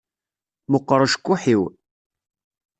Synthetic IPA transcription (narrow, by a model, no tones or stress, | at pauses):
mʊqːəɾˤəʃə̥kʷːuħiw